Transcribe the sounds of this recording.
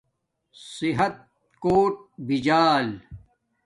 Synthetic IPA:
siɦɐt̪̚ | koːʈ̚bid͡ʑaːl

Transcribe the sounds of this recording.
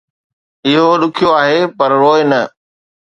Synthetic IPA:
ɪɦoɗʊkʰijoaːɦepɐɾɾoːɪnɐ

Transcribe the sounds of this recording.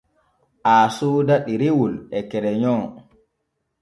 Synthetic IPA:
ʔaːsuːdaɗiɾiwulɛkɛɾɛɲɔː

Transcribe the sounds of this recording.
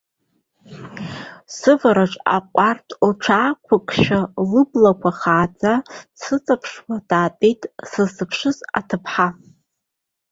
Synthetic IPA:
sɨvaɾaʈ͡ʂʼa̰qʷʼartʰlʈ͡ʂʷʰaːkʷʰakʷʰʼʃᶣalɨblakʷʰaχaːd͡zʼasɨt͡sʼapʰʂwad̥aːpʼejtʼsɨzsɨpʰʂɨza̰tʰɨpʰħa

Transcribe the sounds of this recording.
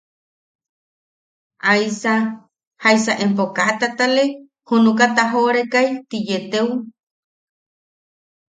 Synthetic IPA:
ʔajsa | hajsaʔempokat̪at̪ale | hunukat̪aɦoɾekajt̪ijet̪ew

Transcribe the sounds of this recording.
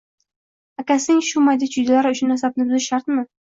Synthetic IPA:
akʲasɪŋʃʊmajd̪ɪt͡ʃʰʊjd̪alaɾɪʊʃʊnnːasab̚nɪbʊzɪʃaɾt̪mɪ

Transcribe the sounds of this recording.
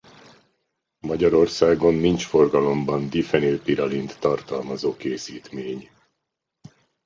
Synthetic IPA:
mɒɟɒɾo̞rsaːɡo̞nːint͡ʃfo̞rɡɒlo̞mbɒnd̪ifɛnøːpiɾɒlint̪ːɒrt̪ɒlmɒzoːkeːsiːt̪meːɲ

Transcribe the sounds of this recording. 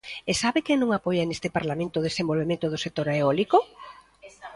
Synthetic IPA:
esaβɪkenõŋapojanest̪ɪpaɾlamẽnt̪oʊðesembolβemẽnt̪ʊðʊsek̚t̪oɾaeɔliko

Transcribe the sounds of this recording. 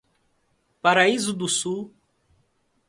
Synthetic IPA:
paɾaizʊd̪ʊsu

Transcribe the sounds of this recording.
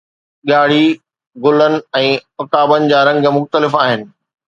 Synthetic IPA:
ɠaːɽ̤i | ɡʊlənɪ̆ɛ̃ːʊkaːbənɪ̆d͡ʑaːɾɐ̃ŋɡmʊxt̪əlɪfaːɦɪnɪ̆

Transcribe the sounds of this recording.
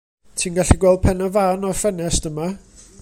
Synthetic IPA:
tʰiːnɡaɬiɡwɛlˠd̥̚pʰɛnavaːnɔfɛnɛsd̥əma

